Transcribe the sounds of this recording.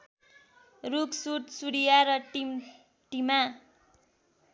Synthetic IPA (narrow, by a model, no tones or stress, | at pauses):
ruksut̪suɽijaɾʌʈim | ʈima